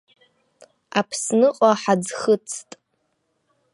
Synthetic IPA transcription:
apʰsnɨqʼaħad͡zχət͡sʰtʼ

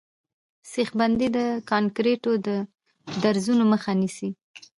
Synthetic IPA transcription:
sexband̪id̪əkɑnkɾeʈod̪ə | d̪aɾzunoməxanisi

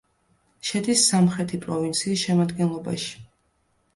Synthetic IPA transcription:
ʃɛd̪isːamχɾɛt̪ʰipʼɾɔvint̪sʰiːsʃɛmad̪ɡɛnlˠɔba̰ʃi̥

